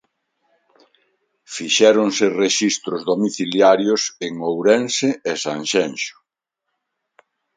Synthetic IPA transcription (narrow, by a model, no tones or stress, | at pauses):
fiʃɛɾoŋsereʃist̪ɾʊzðomiθiljaɾjoseŋowɾɛnseesaŋʃɛnʃʊ̥